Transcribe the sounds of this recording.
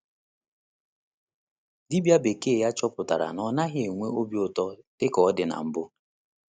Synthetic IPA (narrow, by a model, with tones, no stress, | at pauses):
di˦bja˦be˨ke˦e˨ja˦t͡ʃɔ˦pʊ˨ta̰˨ɾa̰˨nɔ˨na˦ɦɪ˦e˨ŋʷe˦o˦bi˦ʊ˨tɔ˦tɪ˦kɔ˨ɔ˦dɪ˨na̰˨m̩˨bʊ˦